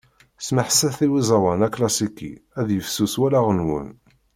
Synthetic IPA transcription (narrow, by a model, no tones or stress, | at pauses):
sməħsːæθiwizˤɑwɑnæklɑsikːḭæðjəfsuswælaʁənwə̰n